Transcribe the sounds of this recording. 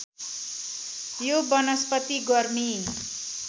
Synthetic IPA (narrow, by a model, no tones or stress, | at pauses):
jobʌnʌspʌt̪iɡʌrmi